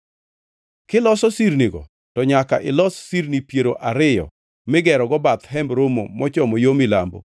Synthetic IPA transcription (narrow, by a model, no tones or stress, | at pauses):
kɪlɔsɔsiɾniɡɔ̰ | tɔɲaka̰ʔɪlɔsːiɾnipjeɾoʔaɾɪjɔ̰ | mɪɡɛɾɔɡɔbat̪ɦɛmbɾomo̰mɔt͡ʃɔmɔjomilambo̰